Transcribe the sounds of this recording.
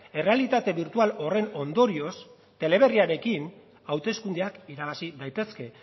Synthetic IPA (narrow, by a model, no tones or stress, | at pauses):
e̞re̞alit̪at̪e̞βiɾt̪ualo̞re̞no̞nd̪o̞ɾio̞s | t̪e̞le̞β̞e̞riaɾe̞kin | awt̪e̞skund̪eakiɾaβasiðajt̪e̞ske̞